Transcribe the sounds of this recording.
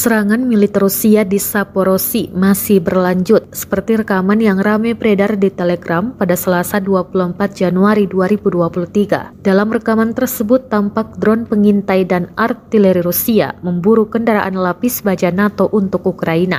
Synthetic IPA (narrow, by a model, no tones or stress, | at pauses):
səɾaŋanmilit̪ərusiadisapoɾosimasɪhbərlaɲd͡ʒʊt̪̚sə̥pərt̪iɾəkamanjaŋramɛpəɾedardit̪elɛɡɾampadasəlasaduapuluəmpat̪̚d͡ʒanuaɾiduaɾibuduapuluht̪iɡa̰d̥alamrəkamant̪ərsəbʊt̪ːampak̚dɾɔnpəŋint̪ajdanʔart̪ilɛɾiɾusia̰məmbuɾukəndaɾa̰ʔanlapisbad͡ʒanat̪oʔunt̪ʊkukɾaina̰